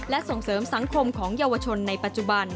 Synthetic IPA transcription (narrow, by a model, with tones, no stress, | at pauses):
lɛ˦˥ʔso˨˩ŋsɤː˩˦msa˨˩˦ŋkʰo˧mkʰɔː˩˦ŋjaː˧wa˧t͡ɕʰo˧nːa˧jpa˨˩t̪̚t͡ɕu˨˩ba˧n